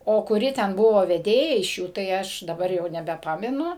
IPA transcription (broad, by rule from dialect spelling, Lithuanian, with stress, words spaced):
oː kʊˈrʲɪ tʲɛn ˈbʊʋoː ʋʲɛˈdʲeːjɛ ɪʃ ˈjuː tɐɪ ˈɐʃ dɐˈbɐr jɛʊ nʲɛbʲɛˈpɑːmʲɛnʊ